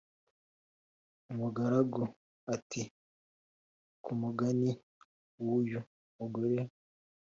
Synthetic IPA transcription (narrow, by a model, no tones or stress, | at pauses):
umuɡaɾaɡo | ati | kʰumuɡani | wuju | muɡoɾe